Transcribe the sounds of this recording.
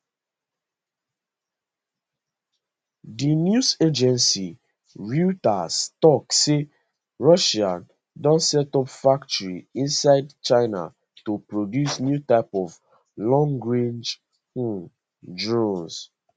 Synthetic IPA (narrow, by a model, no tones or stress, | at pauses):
dinjused͡ʒɛ̃nsi | ɹutastɔkse | ɹɔʃãn | dɔ̃ntsɛtɔpfak̚tɔɹiĩnsaɪdt͡ʃaɪna̰ | tupɹodjusnjutaɪpɔv | lɔ̃ŋɡɹẽnd͡ʒ | dɹɔ̃ns